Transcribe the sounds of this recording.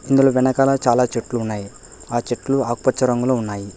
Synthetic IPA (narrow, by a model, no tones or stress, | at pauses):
ind̪uloːʋɛnɐkalɐt͡ʃaːlaːt͡ʃeʈːluunːaːji | aːt͡ʃeʈluaːkupɐt͡ʃːɐɾɐŋɡuloːunːaːji